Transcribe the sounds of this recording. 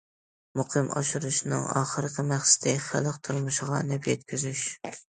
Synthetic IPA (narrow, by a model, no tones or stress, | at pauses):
mʊqʰɨmʔɑ̰ʃuɾuʃnɨŋɑ̰ːχəɾɨqʲʰɪmæχsɪ̥d̪ɪχælˠɨqt̪ʰuɾmuʃɪʁɑnɛpjɛt̪kʲyzyʃ